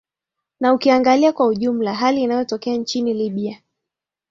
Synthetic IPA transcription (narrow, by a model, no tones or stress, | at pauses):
naukiaŋɡaliakwauʄum̩laɦaliːnajɔtɔkɛant͡ʃiniliɓia